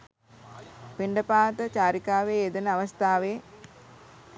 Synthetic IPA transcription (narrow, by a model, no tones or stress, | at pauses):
peɳɖəpaːt̪ət͡ɕaːɾikaːʋeːed̪ənəaʋɐst̪aːʋeː